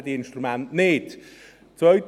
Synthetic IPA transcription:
diɪnʃtɾumɛntnɪt | t͡svœɥt

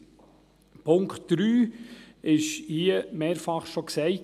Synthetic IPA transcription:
pʊŋkχtd̥ɾyː | ɪʃhiəmeːɾfɑχʃɔksɛɪ

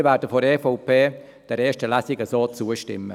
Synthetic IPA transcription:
vɛːɾdəfɔɾɛfɔʊpʰeː | d̥ɛɾeːʃtəlæsɪɡəsoːt͡suːəʃtɪ̰mːə

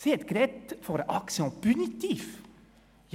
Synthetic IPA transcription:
seːt̪ɡɾɛt̪fɔɾʔɑksəɔpʉnɪt̪iːf | j

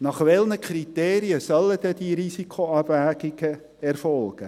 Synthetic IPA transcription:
nɑχvɛlnəkʰriteːɾiəsœlədədiɾisikʰoɑbvæːɡɪɡ̥ə | ɛrfɔlɡ̥ə

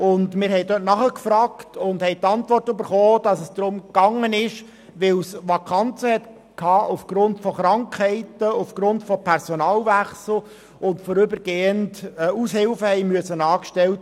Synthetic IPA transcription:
ʊndmɪɾhɛɪdøt̚nɑχəkfɾɑːktʰʊndhɛɪt̪ɑntʋɔrtøbəɾχoːd̥ɑsəsd̥̪ɾʊmkɑŋːənɪʃ | ʋɪlsʋɑkʰɑnt͡səhɛt | kʰɑːʔufɡ̥ɾʊntfɔχɾɑŋkhɛɪtəufɡ̥ɾʊntfɔpʰɛɾsɔnɑːlvæχsl̩ | ʊntfɔɾʏbəɾɡ̥eːəntːushɪlfəhɛɪmyəsənɑːkʃtɛlt

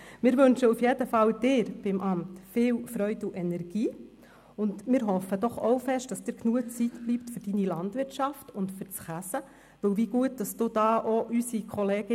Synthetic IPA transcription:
mɪːɾʋɵnʃəufjedəfɑld̥ɪːɾb̥ɪmʔɑmtfɪːwfɾœʏduʔɛnɛɾɡ̥iː | ʊndmɪːɾɦɔfəd̥ɔχoʊfɛʃt̚d̥ɑsd̥ɪːɾknuət͡sitb̥liptfʏɾd̥inilɑndʋɪɾtʃɑftʊndfʏɾt͡sχæsə | ʋɵwʋiɡ̥uət̚d̥ɑsd̥uːd̥ɑːʔoʔysikʰχɔleːɡɪ

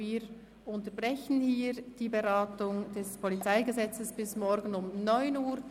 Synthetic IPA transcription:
viːɾ | ʊntəb̥ʁɛçənhiːd̥iːbeʁaːtʊŋd̥ɛspʰɔlit͡saɪɡəzɛt͡səsb̥ɪsmɔɾɡənʊmnɔʏnuːɾ

